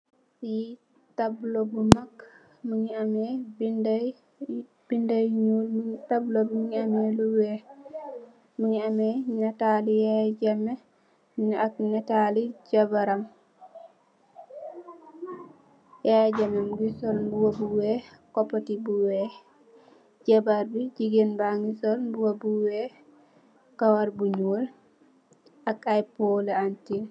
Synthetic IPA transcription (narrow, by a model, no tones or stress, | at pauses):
ji | tablobumak | muɲiamɛbinda | b̥indajɲulmutablobumuɲiamɛluwɛ | muɲiamɛnɛtalijad͡ʒamːɛ | munʔaknɛtalid͡ʒabaɾam | jad͡ʒamɛmuɡisɔlbuwabuwɛkɔpːɔtibuwɛ | d͡ʒabaɾbid͡ʒiɡɛnbaŋɡisɔlbuwabuwɛ | kawaɾbuɲul | akajpɔlɛantin